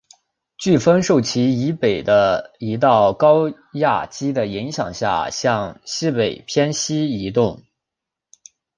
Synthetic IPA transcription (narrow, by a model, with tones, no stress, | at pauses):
t͡ɕy˥˩fə˥nʂo˥˩ʊt͡ɕʰi˧˥i˧˥pe˨˩ɪd̪ə˦i˧˥t̪̬ɑ˥˩ʊkɑ˥ʊ | ja̰˥˩t͡ɕi˥d̪ə˨i˧˥ŋɕjɑ̰˨˩ŋɕja̰˥˩ɕjɑ˥˧ŋɕi˥pe˨˩ɪpʰjɛ˥nɕi˥i˧˥t̪ʊ˥˩ŋ